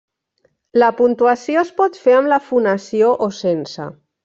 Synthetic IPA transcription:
ləpunt̪uəsioəspɔt̪feəmləfunəsioʔosensə̰

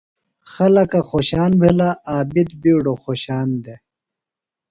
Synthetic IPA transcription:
xɐlɐkɐxoːɕaːnbʱelaaːbid̪̚biːɽoxoːɕaːnd̪e

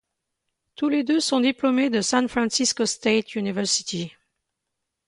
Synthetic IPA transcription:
t̪uled̪øsɔ̃d̪iplɔmed̪əsɛ̃nfχɑ̃siskost̪et̪ʰjynivɛʁsit̪i

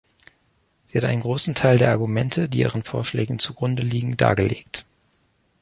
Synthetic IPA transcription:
z̥iːhatʔaɪnənɡʁoːsn̩tʰaɪldeːɐʔaɐɡumɛntʰədiːʔḭːʁənfoːɐʃlɛːɡŋ̩t͡suɡʁʊndəliːɡŋ̩da̰ːɡəleːkt

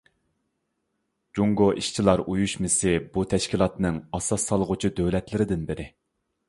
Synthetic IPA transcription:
d͡ʒuŋɡoʔiʃt͡ʃʰilˠɑɾujuʃmɪsɪbut̪ʰɛʃkʲilˠɑt̪nɨŋɑsɑsːɑlˠʁʊt͡ʃʰid̪øwlɛt̪lɪɾɪd̪ɪnbɪɾɪ

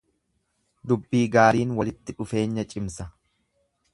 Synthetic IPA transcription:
d̪ʊbːiːɡaːɾiːnwɐlɪt̪ːɪᶑʊfe̞ːɲːɐt͡ʃʼɪmsɐ

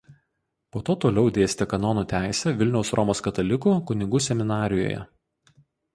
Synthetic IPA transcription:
poːt̪oːt̪oːlʲɛʊd̪ʲeːsʲt̪ʲɛkɐnɔnuːt̪ʲæˑɪsʲɛʋʲɪlʲnʲɛʊsɾʔɔmoːskɐt̪ɐlʲɪkuːkʊnʲɪɡuːsʲɛmʲɪnɑːɾʲɪjo̰ːjɛ̰

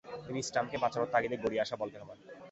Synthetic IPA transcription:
ɾisʈamkebat͡ɕaɾot̪ːaɡid̪eɾɡoɽieaʃabolt̪eɦɔben

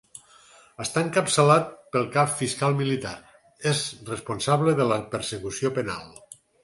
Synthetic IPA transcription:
əst̪aŋkəpsəlat̪̚pəlˠkaffiskalˠmilit̪aɾ | ezresponsaβleðələpəɾsekusiopena̰lˠ

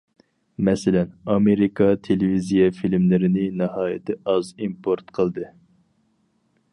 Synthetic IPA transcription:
mɛsɪlɛnɑmeɾikʰɑt̪ʰelevizijɛfilmlɪɾɪnɪnɨhɑːjɪt̪ʰɪɑzimpʰoɾt̪qʰəlˠd̪ɨ

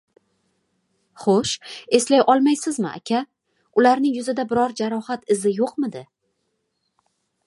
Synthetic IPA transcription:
χoʃe̞slajʔɒlˠmajsɪzmɪa̰kʲʰa | ʊlaɾnɪŋjʊzɪd̪abɪɾɒɾd͡ʒaɾɒhat̪ɪzɪjoqmɪd̪ɪ

